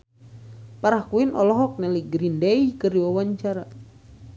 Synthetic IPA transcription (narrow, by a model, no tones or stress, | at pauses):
paɾahkuinʔɔlɔɦɔk̚nɛliɡɾindeikɨrdiwawaɲt͡ʃaɾa